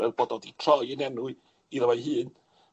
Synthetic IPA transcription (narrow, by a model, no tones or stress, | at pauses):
ɛðbodɔditʰrɔjɛnɛnʊɨ | iðəwajɦɨːn